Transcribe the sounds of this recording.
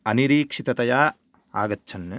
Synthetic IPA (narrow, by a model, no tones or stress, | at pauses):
ɐniɾiːkʂit̪ɐt̪ɐjaː | a̰ːɡɐtːt͡ʃʰɐnːe